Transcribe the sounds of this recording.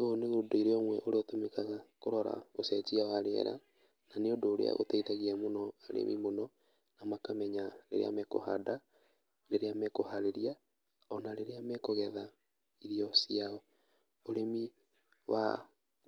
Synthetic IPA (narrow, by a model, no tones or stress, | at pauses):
oneɣudoiɾeɔŋwɛʔoɾeotomekakoɾɔɾa̰ɣosɛt͡ʃiawaɾeɛ̰ɾa̰ | naneodoːɾḛa̰ɣo̰tɛitaɣiɛmonɔaɾḛmʔḭmonɔ | namakamɛɲaɾḛɾḛa̰mɛko̰ha̰da | leɾeamɛkohaɾeɾia | ɔnaɾeɾeamɛkoɣɛða | iɾiɔsiaɔ | oɾemi | wa̰